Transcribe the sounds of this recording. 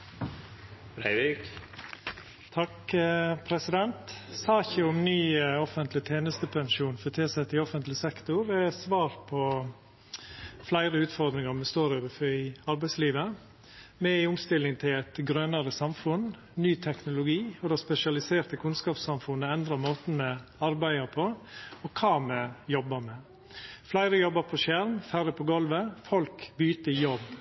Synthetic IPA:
ɾæɪʋɪk | t̪ʰɑkəpʰɾɛsɪd̪ɛnt̪sɑːçəʊmnyːɔfənt̪lɪt̪ʰeːnəst̪əpʰɛnʃuːnfɔt̪ʰeːsɛt̪ːɪɔfənt̪lɪsɛkt̪ʊɾɛsʋɑːɾpʰɔ | flæɪɾəʉːt̪fɔɾd̪ɾɪŋɑɾmɛst̪oːɾoːʋəfɔɪɑɾbæɪsliːʋə | mɛɪʊmst̪ɪlːɪŋt̪ʰɪlæɪt̪ɡɾœnɑɾəsɑmfʊn | nyːt̪ʰɛknʊlʊɡiːɔd̪ɛspɛʃɪɑlɪseːɾt̪əkʰʉnskɑːpsɑmfʊnːəɛnd̪ɾɑmoːt̪ənəɑɾbæɪɑpʰɔɔkʰɑːmɛjɔbːəmɛ | flæɪɾəjɔbːəɾpʰɔʃæɾmfæɾəpʰɔɡɔlʋəfɔlkbyːt̪əɪjɔb

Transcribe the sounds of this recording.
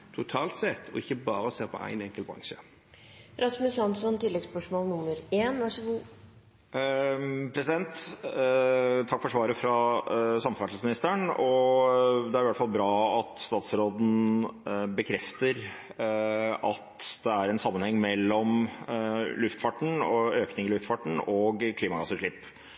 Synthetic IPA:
t̪ʰʊt̪ʰɑːlt̪sɛt̪ʰːɔ̰ɪçːəbɑːɾəseːʁpʰɔ̰æ̰ɪnɛŋkəlbʁɾɑ̰ŋʃə | ɾɑsmʉsɑnsɔnt̪ɪlːɛɡspœʂmoːlnʊmːəɾeːnʋɑʂɔɡuː | pʰɾɛsɪd̪ɛnt̪ | t̪ʰɑkːfɔʂʋɑːɾəfɾɑsɑmffæʈ̪l̩smɪnɪst̪əɳɔ | d̪ɛæɾɪʋæʈfɑlbɾɑːɑt̪st̪ɑːt̪sɾoːd̪n̩ | bəkʰɾɛft̪əɾ | ɑt̪d̪ɛæɾɛnsɑmːənhɛŋːmɛlːɔm | lʉft̪fɑʈɳ̩ɔøːknɪŋɪlʉft̪fɑʈɳ̩ɔɡkʰliːmɑɡɑsəʂɭɪpː

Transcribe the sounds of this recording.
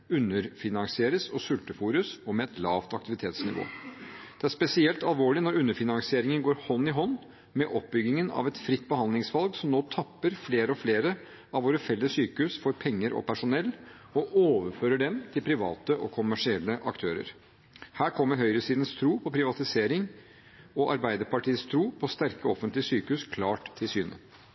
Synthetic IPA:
ʉnːəɾfɪnɑŋsɪeːɾəsɔsʉlt̪əfuːɾəsɔmɛɛt̪lɑːʋt̪ɑk̚t̪ɪʋɪt̪ʰeːt̪snɪ̰ʋo̰ːd̪̥ɛæʂpɛsɪɛlt̪ɑlʋoːɭɪnɔɾʉnːəfɪnɑŋsɪeːɾɪŋənɡoːɾhɔnːɪɦɔnː | mɛʔɔp̚bʏɡːɪŋənɑ̰ʋɛt̪fɾɪt̪ːbəhɑnd̪lɪŋsʋɑlɡsɔmnoːt̪ʰɑpːəɾfleːɾəɔfleːɾə | ɑʋoːɾəfɛlːəssyːkəʉsfɔɾpʰɛŋːəɾʔɔ̰pʰæʂʊnɛlː | ɔʔoːʋəɾføːɾəɖɛmt̪ʰɪlpʰɾɪʋɑ̰ːt̪əʔɔkʰʊmːæʂɪɛlːəʔɑkt̪ʰøːɾə̰ɾ | hæːɾkʰɔmːəɾɦœʏɾəsiːd̪n̩st̪ʰɾuːpʰɔpʰɾɪʋɑt̪ɪseːɾɪŋ | ɔʔɑ̰ɾbæɪd̪əɾpɑʈiːəst̪ʰɾuːpʰɔst̪æɾkəɔfənt̪lɪəsyːkəʉskʰlɑːʈt̪ʰːɪlsyːnə̰

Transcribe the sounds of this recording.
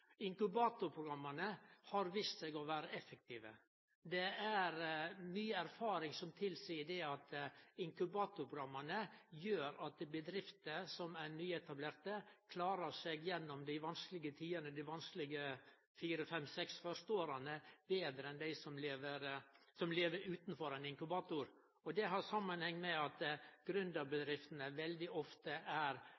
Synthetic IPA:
ɪŋkʉbɑːt̪ʊɾpʰɾʊɡɾɑmːɑnəhɑɾʋiːst̪sɛɡɔʋæːɾəɛfːək̚t̪ʰiːʋə̰ | d̪ɛæɾnyːəæɾfɑːɾɪŋsɔmt̪ʰɪlsiːəɖ̪ɛɑt̪ɪŋkʉbɑːt̪ʊɾpʰɾʊɡɾɑmːənəjøːɾɑt̪̚bəd̪ɾɪft̪əsɔmænyːɛt̪ɑbleːɾt̪əkʰlɑːɾəsɛɡjɛnːɔmd̪ɪʋɑnsklɪɡət̪ʰiːənəd̪ɪʋɑnsklɪɡə | fiːɾəfɛmsɛksfœʂt̪oːɾɑnəbeːd̪ɾəɛnd̪æɪsɔmleːʋəɾ | sɔmleːʋəɾʉːt̪n̩fɔɾæɪnɪŋkʉbɑːt̪ʊɾ | ɔd̪ɛɦɑɾsɑmːənhɛŋːmɛɑt̪ɡ̥ɾʉnd̪ɑbəd̪ɾɪft̪nəʋɛld̪ɪʔɔft̪əʔæɾ

